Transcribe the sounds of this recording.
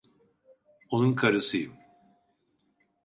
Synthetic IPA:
onunkʰaɾɯsɯjɯm

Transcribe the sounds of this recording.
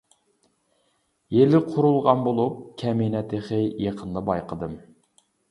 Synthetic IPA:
jelɪqʰʊɾulˠʁɑnbolˠup̚kʲʰɛminɛt̪ʰɪχɨjeqʰənd̪əbɑjqʰəd̪ɨm

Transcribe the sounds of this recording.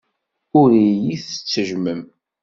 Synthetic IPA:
ʊɾijiθət͡sːəʒməm

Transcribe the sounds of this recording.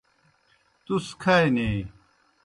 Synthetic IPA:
t̪uskʰɐeneː

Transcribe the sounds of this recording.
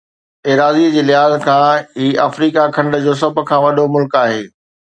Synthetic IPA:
eːɾaːzid͡ʑiːlɪɦaːzkʰãːɦiːaːfɾiːkakʰɐ̃ɳɖə̆d͡ʑoːs̬ɐbʱkʰãːʋɐɗomʊlkaːɦeː

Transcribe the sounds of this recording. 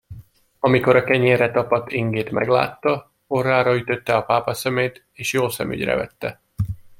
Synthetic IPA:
ɒmiko̞ɾɒkɛɲeːrɛt̪ɒpɒt̪iŋɡeːt̪mɛ̰ɡla̰ːt̪ːɒ | orːaːɾɒyt̪ø̞t̪ːɛɒpaːpɒsɛmeːt̪ | eːʃjoːlsɛ̰my̰ɟrɛ̰vɛ̰t̪ːɛ

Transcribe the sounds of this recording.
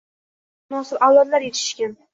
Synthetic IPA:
nɒsɪɾalˠɒɾlaɾjet̪ʰɪ̥ʃkʲan

